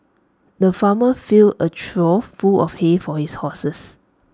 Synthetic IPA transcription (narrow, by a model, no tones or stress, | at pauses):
dəfaməfilət͡ʃɹɔfuɔfhefɔhishɔsəs